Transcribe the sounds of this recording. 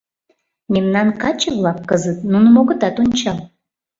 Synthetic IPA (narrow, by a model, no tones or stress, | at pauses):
memnɑnkɑt͡ɕəvlˠɑkːəzət̪̚nunumoɣə̆t̪ɑt̪onʲt͡ɕɑlˠ